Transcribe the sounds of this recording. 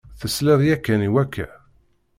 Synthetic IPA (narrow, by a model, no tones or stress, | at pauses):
θəslɪðˤjækːæniwækːæ̰